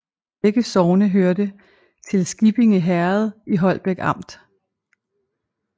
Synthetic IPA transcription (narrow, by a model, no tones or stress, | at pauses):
eɡ̥əsɒʊnəɦøɐd̥ə | t͡sʰe̝lsɡ̥ib̥e̝ŋəɦæɐð̞ˠiɦɒ̽l̰b̥eɡ̥ɑ̈m̰d̥